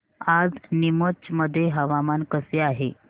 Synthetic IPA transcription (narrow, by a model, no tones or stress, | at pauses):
ad͡znimət͡ɕməd̪ʱːjeɦəʋamankəseaɦe